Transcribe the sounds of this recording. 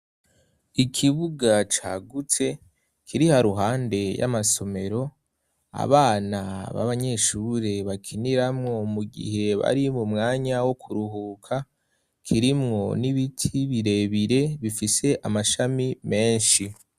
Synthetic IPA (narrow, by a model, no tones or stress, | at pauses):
ikʰiβuɡat͡ʃaːɡute̞ | kʰiɾihaɾuɦaːnde̞ja̰maso̞me̞ɾo̞ | a̰βaːnaβa̰βaɲe̞ʃuɾe̞βakʰiniɾamŋo̞muɡḭɦe̞βa̰ɾimumŋaːɲawokʰuɾuɦuːkʰa | kʰiɾimŋo̞niβitʰiβiɾe̞βiɾe̞βifise̞ʔamaʃamime̞ːnʃi